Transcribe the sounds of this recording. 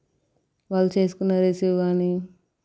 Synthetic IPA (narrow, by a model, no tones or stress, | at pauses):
ʋaːlːut͡ʃeːs̬u̥kunːaːɾeːseʋaːni